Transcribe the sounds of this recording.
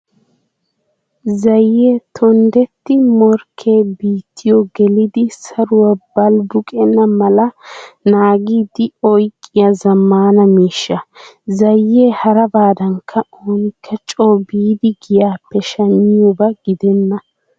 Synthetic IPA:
zɐjːeːt̪ʰɔnd̪ɛt̪ːɪmɔɾkʰe̞ːbiːt̪ʰːɪjɔɡɛlɪd̪ɪsɐɾʊwɐbɐlbʊkʼɛnːɐmɐlɐnaːɡiːd̪ɪɔjkʼːɪjɐzɐmːaːnɐmiːʃːɐzɐjːe̞ːhɐɾɐbaːd̪ɐŋkʰːɐoːnɪkʰːɐt͡ʃʼoːbiːd̪ɪɡɪjaːpːɛʃɐɲːɪjʊbɐɡ̥ɪd̪ɛnːɐ

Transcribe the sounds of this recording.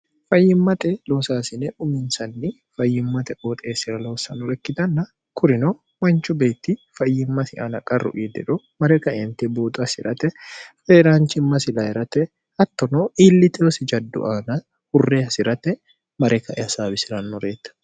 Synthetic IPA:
fɐjːɪmːɐt̪ɛloːsaːsɪnɛʔʊmɪnsɐnːɪ | fɐjːɪmːɐt̪ɛʔot̪ʼeːsɪɾɐlo̞ːsɐnɔlɛkːɪt̪ɐnːɐ | kʊɾɪno | mɐnt͡ʃʊbe̞ːt̪ːifɐjːɪmːɐsɪʔa̰nɐkʼɐrʊ̰ʔiːd̪ɛ̰ᶑɔ | mɐɾɛkɐɛnt̪ɛboːt̪ʼʊɐsɪ̰ɾɐt̪ɛfɛɾaːnt͡ʃɪmːɐsɪlɐɛɾɐt̪ɛ | hɐt̪ːɔnoːʔiːlːɪt̪ɛɔsɪd͡ʒɐd̪ːʊ̰ʔaːnɐ | hʊrːeːɐsɪɾɐt̪ɛ | mɐɾɛkɐʔɛɐsaːbɪsɪɾɐnːɔɾeːt̪ːɐ̥

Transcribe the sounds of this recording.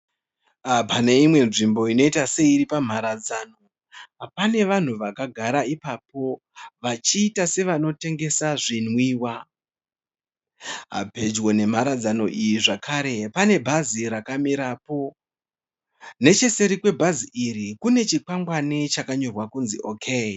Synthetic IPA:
apane̞imwe̞nʐimbo̞ino̞itase̞iɾipam̤aɾad͡zano̞ | apane̞ʋan̤uʋakaɡʱaɾaipapo̞ | ʋat͡ʃiːtase̞ʋano̞te̞ŋɡe̞saʐinwiːwa | ɦa̰pe̞d͡ʒwo̞ne̞maɾad͡zano̞ʔijiʐakʰaɾe̞pane̞bʱaziɾakamiɾaːpo̞ | ne̞t͡ʃe̞se̞ɾikwe̞bʱaziʔiɾikune̞t͡ʃikaŋɡwanit͡ʃakaɲo̞rwakunziʔokʰe

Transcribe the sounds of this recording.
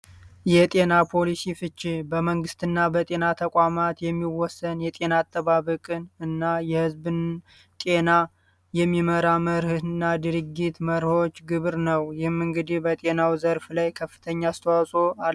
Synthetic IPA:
jɛt̪ʼe̞napʰo̞lisifɨt͡ʃːɪbəməŋɡɨst̪ʰɨnːabət̪ʼe̞nat̪ʰəkʼamat̪jɛmːiwɔsːənjɛt̪ʼe̞naːt̪ʰʼːəβaβəkʼɨnɨnːajɛhɨzbɨn | t̪ʼe̞na | jɛmːiməɾaməɾhɨnːad̪ɨɾɨɡit̪məɾho̞t͡ʃːɡɨβɾnəwjɪhɨmːɨŋɡɨd̪ihbət̪ʼe̞nawzəɾflajkʰəfːɨ̥t̪ʰəɲːaːst̪ʰəwasʼo̞a

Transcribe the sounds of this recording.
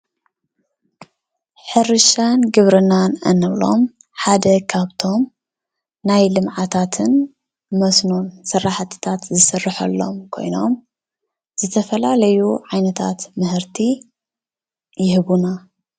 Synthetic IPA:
ħɨɾɨʃanɡɨβɾɨnanɐ̰nːɐβlo̞̰m | ħad̪ɐkʰaβt̪ʰo̞m | najlɨmʕat̪ʰat̪ʰɨn | mɐsnonsɨrːaħat̪ʰɨ̥t̪ʰat̪zɨsɐrːɨħɐ̰lːo̰mkʰo̞̰jno̞̰m | z̥ɨt̪ʰɐfɐlalɐjuʕajnɐt̪ʰa̰t̪mɨhɨɾt̪ʰi | jɪhɨβuna

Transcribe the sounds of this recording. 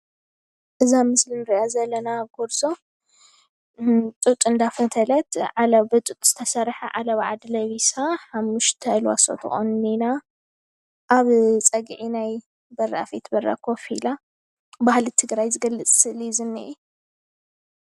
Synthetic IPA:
ʔɨzamɨslinɨɾiʔazɐlːɐnaɡoɾso̞ | t̪ʼut̪ʼɨnd̪afɐt̪ʰɐlɐt̪ʕalɐbɨt̪ʼut̪ʼz̥ɨt̪ʰɐsɐɾħaʕa̰lɐβʕa̰d̪lɐβisaħamːuʃt̪ʰɐlwa̰so̰t̪ʰɨ̰xʼo̰nːina | ʔaβt͡sʼɐɡʕinaj | bɐrːa̰fet̪bɐɾa̰kʰo̞fila | bahlit̪ʰɨɡɾajzɨɡɐlːɨt͡sʼsɨʔlizɨnːḭʔɛ

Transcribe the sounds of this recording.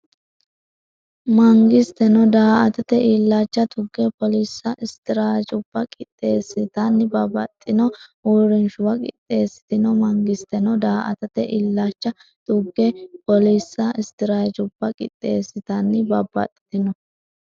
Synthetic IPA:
mɐŋɡɪst̪ɛnɔd̪aːʔɐt̪ɐt̪ɛʔilːaːt͡ʃːɐt̪ʊɡːɛpɔliːsːɐʔɪst̪ɪɾaːt͡ʃʼʊb̥ːɐkʼɪt̪ʼːeːsːɪt̪ɐnːɪbɐbɐt̪ʼːɪnɔuːɾɪnʃʊbɐkʼɪ̰t̪ʼːe̞ːsːɪ̥t̪ɪnɔmɐŋɡɪst̪ɛnɔd̪aːʔɐ̰t̪ɐt̪ɛʔilːaːt͡ʃːɐ | t̪ʊɡːɛpɔliːsːɐɪst̪ɪɾaːt͡ʃʼʊbːɐkʼɪ̰t̪ʼːeːsːɪt̪ɐnːɪbɐbːɐ̰t̪ʼːɪ̥t̪ɪnɔ

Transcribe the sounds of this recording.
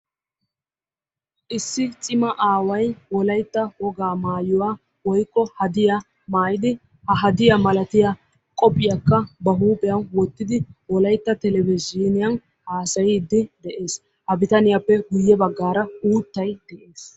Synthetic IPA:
ʔɪsːɪt͡sʼɪmɐʔaːwɐjwɔlɐjt̪ːɐhɔɡaːmaːjɔwaː | wɔjkːɔhɐd̪ɪja | maːjɪd̪ɪ | hɐɦɐd̪ɪjɐmɐlɐt̪ɪjɐ | kʼɔpʼːɪjɐkːɐbɐɦuːpʼɛjɐnwɔt̪ːɪd̪ɪwɔlɐjt̪ːɐt̪ɛlɛvɪziːnɪjɐn | haːsɐjɪd̪ːɪd̪ɛʔe̞ːs | hɐbɪt̪ɐnɪjapːɛɡʊjːɛbɐɡːaːɾɐuːt̪ːɐjd̪̥ɛʔe̞ːs

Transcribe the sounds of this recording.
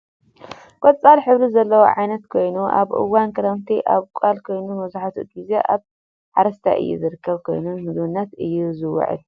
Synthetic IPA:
kʼɔt͡sʼːalħɨβɾizɐlːɐwo̰ʕajnɐt̪kʰo̞jnuʔa̰βʔɨ̰wːankʰɐɾɐmt̪ʰiʔaβkʷʼalkʰo̞jnumɐzaħat̪ʰut̪bizeʔaβ | ħaɾɐst̪ʰa̰ʔɨ̰jːṵzɨɾɨkːɐβkʰo̞̰jnunmɨzβɨnːɐt̪ɨjːuzɨwɐ̰ʕɨ̰l

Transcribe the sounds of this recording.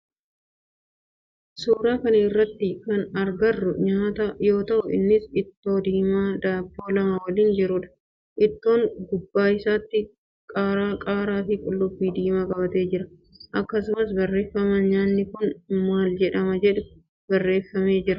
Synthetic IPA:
suːɾaːkɐnɐɪrːɐt̪ːɪkɐnɐɾɡɐrːʊɲaːt̪ɐjo̞ːt̪ɐʔʊɪ̰nːɪsɪt̪ːo̞ːd̪iːmaːd̪aːbo̞ːlɐmɐwɐliːnd͡ʒɪɾʊᶑɐ̥ | ʔɪt̪ːo̞ːŋɡʊbːaːɪsaːt̪ːɪ | kʼaːɾaːkʼaːɾaːfɪkʼʊlːʊbːiːd̪iːmakʼɐbɐt̪e̞ːd͡ʒɪɾɐ | ʔɐkːɐsʊmɐsbɐrːe̞ːfːɐmɐnɲaːnːɪkʊnmaːld͡ʒɛᶑɐmɐd͡ʒɛᶑɛ | bɐrːe̞ːfːɐme̞ːd͡ʒɪɾɐ

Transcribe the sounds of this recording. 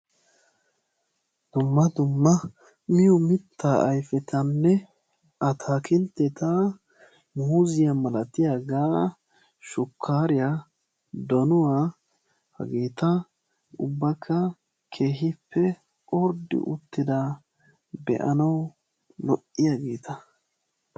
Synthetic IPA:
d̪̥ʊmːɐd̪ʊmːɐ | mɪjʊmɪt̪ʰːaʔɐjfɛt̪ʰɐnːɛ | ɐt̪ʰaːkɪnt̪ːɛt̪a | muzɪjɐmɐlɐt̪ɪjaːɡaː | ʃʊkʰːaːɾɪja | d̪ɔnʊwaː | hɐ̰ɡeːt̪ɐ | ʊbːɐkʰːɐ | kʰe̞ːɦɪpʰːɛ | ʔɔɾd̪ɪ̰ʔʊt̪ːɪd̪a | bɛ̰ʔɐnɐw | lɔʔːɪjaːɡe̞ːt̪ɐ

